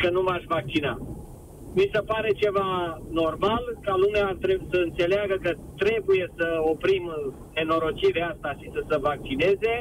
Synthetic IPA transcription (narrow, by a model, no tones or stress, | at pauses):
kənumaʃʲvak̚t͡ʃina | misepaɾe̞t͡ʃe̞vano̞rmalkalumeaːt̪ɾesəɨnt̪se̞leaɡəkət̪ɾe̞buje̞səopɾim | eno̞ɾo̞t͡ʃiɾeast̪aʃisəsəvak̚t͡ʃine̞ze̞